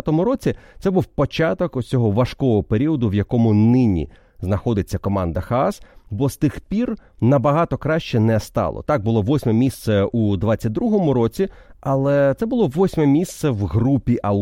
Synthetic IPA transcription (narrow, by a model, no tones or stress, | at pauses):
t̪ɔmʊɾɔt͡sʲit̪sɛbuwpɔt͡ʃɑt̪ɔkʊt͡sʲɔɦɔʋɐʃkɔɔɦɔpeɾʲiɔd̪ʊʋjɐkɔmʊnɪnʲḭ | znɐxɔd̪ɪt͡sʲːɐkɔmɑnd̪ɐxɐaɑsbɔst̪ɪxpʲirnɐbɐɦɑt̪ɔkɾɑʃt͡ʃɛnɛst̪ɑ̰lˠɔ̰t̪ɑɡ̚bʊlˠɔʋɔsʲmɛmʲist̪sɛud̪ʋɑt͡sʲːɐt̚ʲd̪ɾuɦɔmʊɾɔt͡sʲiɐlˠɛt̪sɛbʊlˠɔʋɔsʲmɛmʲist̪sɛʋɦrupʲiʔɐ